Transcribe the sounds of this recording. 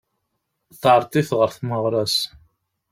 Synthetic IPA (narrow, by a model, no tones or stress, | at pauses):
θʕɾˤt̪ˤiθʁəɾθməʁɾˤɑs